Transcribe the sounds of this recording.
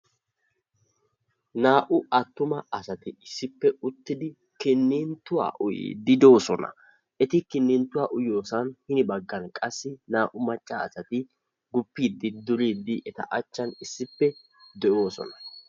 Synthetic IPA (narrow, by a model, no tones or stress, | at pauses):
naːʔʊɐt̪ːʊmɐɐsɐt̪ɪɪsːɪpːɛʊt̪ːɪd̪ɪ | kɪnːɪnt̪ːʊwa̰ːʔʊjḭːd̪ɪd̪o̞ːsɔnɐ̰ | ʔɛt̪ɪkɪnːɪnt̪ːʊwaːʔʊjo̞ːsɐnhɪnɪbɐɡːɐnkʼɐsːɪnaːʔʊmɐt͡ʃʼːaːsɐt̪ɪ | ɡʊpːiːd̪ːɪd̪ʊɾiːd̪ːɪʔɛt̪ɐ̰ʔɐt͡ʃːɐnɪsːɪpːɛ | d̪ɛʔo̞ːsɔ̰nɐ̥